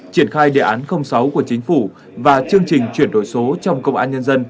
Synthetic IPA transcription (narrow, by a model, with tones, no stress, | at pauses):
t͡ɕi˧˩ənxaː˧jɗḛ˧˨ʔaː˨˦nxə˧wŋ͡msa˨˦wku˧˩ət͡ɕï˨˦ŋ̟fu˧˩ | vaː˨˩t͡ɕɨ˧əŋt͡ɕï˨˩ŋ̟t͡ɕwi˧˩ənɗo̰˧˩jso˨˦t͡ɕɔ˧wŋ͡mkə˧wŋ͡mʔaː˧nɲə˧nzə˧n